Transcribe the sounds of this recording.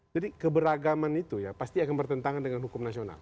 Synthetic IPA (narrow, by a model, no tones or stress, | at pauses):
d͡ʒadikəbəɾaɡamanit̪ujapast̪iakanbərt̪ənt̪aŋandəŋanhukʊmnasiona̰l